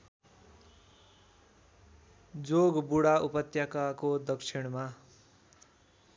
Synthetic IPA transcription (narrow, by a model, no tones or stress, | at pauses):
d͡zoɡbuɽaupʌt̪jakakod̪ʌksʰiɽ̃ma